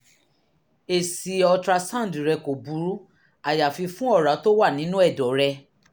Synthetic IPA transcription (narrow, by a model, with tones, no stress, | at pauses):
e˨si˨˦ɔ˧tɾa˧sã˦˨dɾɛ˧ko˨bu˨˦ɾu˦ | a˨ja˨fi˧fũ˦ɔ˦˨ɾa˨˦to˦wa˦˨nĩ˨˦nũ˦ɛ˦˨dɔ˨˦ɾɛ˧